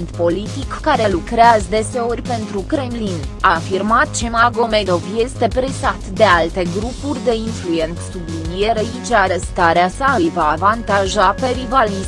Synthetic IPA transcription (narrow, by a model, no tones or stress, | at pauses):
nt̪po̞lit̪ikːaɾe̞lukɾeazəd̪e̞se̞o̞rʲpe̞nt̪ɾukɾe̞mlinafirmat̪̚t͡ʃemaɡo̞med̪o̞vje̞st̪e̞pɾesat̪d̪e̞alt̪e̞ɡɾupurʲd̪e̞influje̞nt̪ssublinijeɾəit͡ʃaɾest̪aɾeasaɨjvaːvant̪aʒape̞ɾivalis